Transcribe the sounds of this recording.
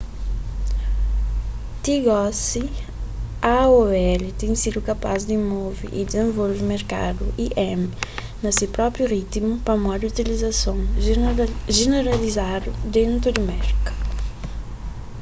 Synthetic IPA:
t̪iɡɔsi | aɔɛlit̪ɛ̃ŋsid̪ukɐpazd̪imɔvḭʔḭd̪izẽvolvɪmeɾka̰d̪ṵʔiʔɛm | nɐsipɾɔpɾjurit̪imupɐmɔd̪ut̪ilizɐsõŋ | ʒeneɾalizad̪ud̪ẽnt̪ɾud̪imɛɾkɐ̥

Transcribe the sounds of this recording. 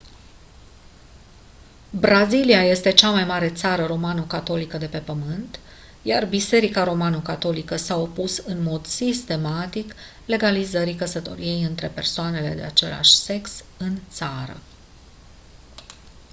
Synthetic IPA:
bɾaziliaje̞st̪e̞t͡ʃamajmaɾe̞t̪saɾəɾo̞manokat̪o̞likəd̪e̞pe̞pəmɨnt̪ | jarbise̞ɾikaɾo̞manəkat̪o̞likəsao̞pusɨnmo̞d̪sist̪e̞mat̪ik | le̞ɡalizəɾikəsət̪o̞̰ɾije̞jɨnt̪ɾe̞pe̞rsoane̞le̞̰d̪e̞̰at͡ʃe̞̰la̰ʃʲse̞ks | ɨnt̪saɾə̰

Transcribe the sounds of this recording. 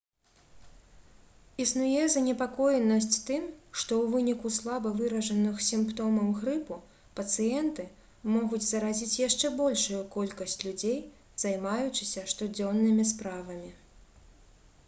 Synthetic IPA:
isnujɛzɐnʲɛpakɔjɛnɐsʲt͡sʲt̪ɨmʂt̪ɔwvɨnʲikuslˠabɐvɨɾɐʐɐnɨxsʲimpt̪ɔmɐmɣɾɨpu | pɐt̪sɨjɛnt̪ɨ | mɔɣud͡zʲzɐɾazʲit͡sʲjaʂt͡ʂɛbɔlʲʂujukɔlʲkɐsʲt͡sʲlʲud͡zʲej | z̥ajmajut͡ʂɨsʲɐʂt̪ɔd͡zʲɔnːɨmʲispɾavɐmʲi

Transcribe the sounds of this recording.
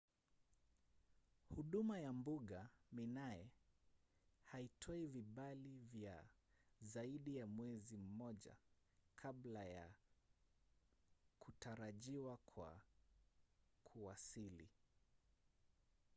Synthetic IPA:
huɗumajambuɠaminajɛ | haitʰɔiviɓalivja̰ | zaiɗijamwɛzim̩mɔʄa̰ | kʰaɓlaja̰ | kutaɾaʄiwakʰwa̰ | kʰuasilḭ

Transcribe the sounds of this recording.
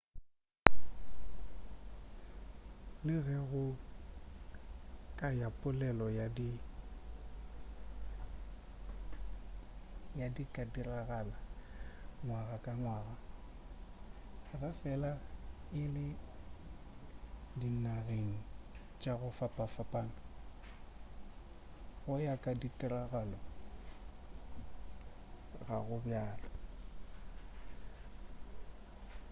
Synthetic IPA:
lɪɣɛɣʊ | kʼajapʼʊlɛlɔjadi | jadikʼadiraɣala | ŋwaɣakʼaŋwaːɣa | ɣafɛlaɪlɪ | dinaɣeŋ̩ | t͡ʃʼaɣʊfapʼafapʼaŋ | ɣʊjakʼaditʼɪɾaɣalo | ɣaɣʊbjaːla

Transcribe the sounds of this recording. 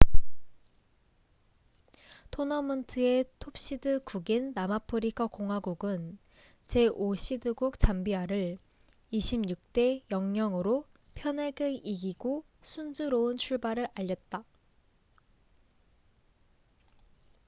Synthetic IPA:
tʰonʌmɯntʰɯe̞tʰop̚ɕ͈idɯkuɡinːamapʰɯɾikʰakoŋɦwaɡuɡɯn | t͡ɕe̞ʔoɕʰidɯɡuk̚t͡ɕ͈ambiɦaɾɯɭ | iɕʰimɲuk̚t͈e̞jʌŋːɲjʌŋɯɾo | pʰjʌneɡɯiɡiɡo | sʰund͡ʑuɾoɯnt͡ɕʰuɭbaɾɯɾaʎːʌt̚t͈a

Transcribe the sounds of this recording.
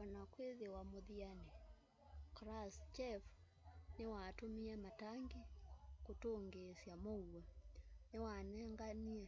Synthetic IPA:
wanakweðewamoðianɛ | kɾast͡ʃɛf | newatumiamataŋɡikutoŋɡesjamouwanewanɛŋɡania

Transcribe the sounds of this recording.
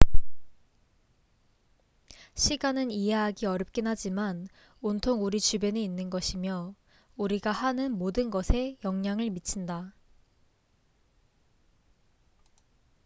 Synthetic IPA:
ɕʰiɡanɯniɦeɦaɡiʌɾʌp̚k͈enɦad͡ʑiman | ontʰoŋuɾit͡ɕube̞neinːɯnɡʌɕʰimjʌ | uɾiɡahanɯnmodɯnɡʌsʰe̞jʌŋɲaŋɯɭmit͡ɕʰinda

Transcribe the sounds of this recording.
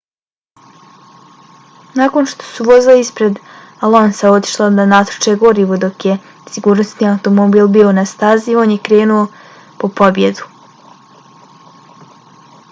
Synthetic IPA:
nako̞nʃt̪o̞̥suʋo̞zleispɾe̞d̪ | alˠonsao̞t̪i̥ʃlˠad̪anat̪ɾo̥t͡ʃeɡo̞ɾiʋod̪o̞kje̞ | siɡuːɾnosniaut̪o̞mobiːlˠbio̞nast̪azio̞njekɾe̞ːnuo̞ | po̞po̞bje̞d̪u

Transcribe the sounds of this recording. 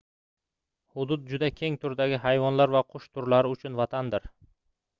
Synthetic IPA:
hʊd̪ʊt̪̚d͡ʒʊd̪akʲʰe̞ŋt̪ʰʊɾd̪aɡʲɪɦajvɒnlaɾvaqʰʊʃt̪ʰʊɾlaɾɪʊt͡ʃʰʊnvat̪ʰand̪ɪɾ

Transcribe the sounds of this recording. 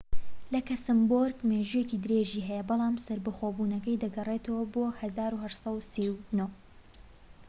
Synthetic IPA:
lɐkɐsɨmboɾɡmeʒujekid̪ɨɾeʒiːɦɛjɐbɑlˠaːmsɐɾbɐxoːbuːnɐkɐjd̪ɐɡɐret̪ʰɐwɐboːhɐzaːɾuːhɐʃsˤɐwsiwno

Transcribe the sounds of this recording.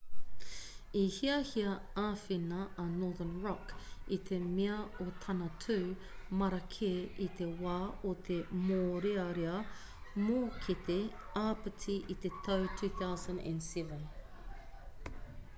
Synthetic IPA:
ihiɐhiɐaːfinɐʔːnɔːðənɹɔkit̪ʰemeɐot̪ʰɐnɐtʰʉː | mɐɾɐkʰeʔit̪e̞waːot̪ʰemoːɾeɐɾeɐ | moːkʰet̪eaːpətʰiʔit̪et̪ʰɐwtʰʉːθawzɐ̃ndæ̰̃ndsɛvə̃n

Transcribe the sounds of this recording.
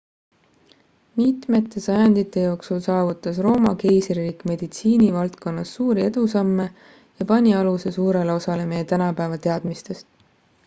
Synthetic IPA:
mit̪me̞t̪ːˑe̞sɑjɑnd̪̥it̪ːˑe̞jo̞ːksulsɑːvut̪ːˑɑsro̞ːmɑke̞jsrrikme̞d̪̥it̪siːnivɑlt̪ko̞nːɑsːuːɾie̞d̪̥usɑmːe̞ | jɑpɑnʲiɑluse̞suːɾe̞le̞o̞sɑle̞mejet̪ænɑpæevɑt̪e̞ɑd̪mist̪e̞st̪

